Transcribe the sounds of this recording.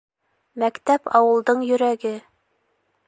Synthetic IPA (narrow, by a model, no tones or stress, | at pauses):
mækt̪æpɑwɤ̆lˠd̪ɤɴjɵ̆ɾæɡɘ